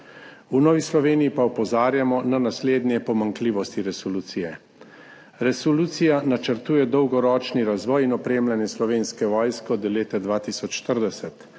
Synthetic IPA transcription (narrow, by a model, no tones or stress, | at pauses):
unɔːʋislɔʋeːnijipaɔpɔzaːɾjamɔnanasleːd̪njɛpɔmaŋkliːʋɔst̪iɾɛsɔluːt̪sijɛ | ɾɛsɔluːt̪sijanat͡ʃəɾt̪uːjɛd̪ɔwɡɔɾɔːt͡ʃniɾazʋɔːjinɔpɾeːmlanjɛslɔʋeːnskɛʋɔːjskɛɔd̪ɔleːt̪ɛd̪ʋaːt̪isɔt͡ʃʃt̪əɾd̪ɛsɛt̪